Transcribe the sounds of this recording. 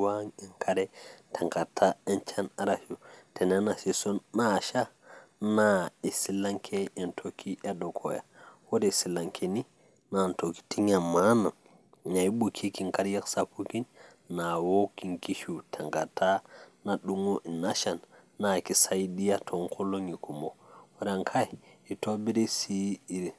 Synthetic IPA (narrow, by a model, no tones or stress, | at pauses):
waŋɛnkʰaɾɛtʰaŋɡatʰaɛnt͡ʃanaɾaʃutɛnɛnasisɔnːaʃanaɛsilaŋkʰɛɛntʰokʰiʔɛɗɔkʰɔ̰ja̰wɔdɛsilaŋkʰɛni | nantoki̥tiɲamːana | naiɓukʰikiŋkaɾjaksakːukinː | awokiŋkiʃutʰaŋɡatanaɗuŋɔʔɛnaʃanː | akisajdijatʰɔŋkʰɔloŋikumɔwaɾaŋkʰajitobidesiiɾi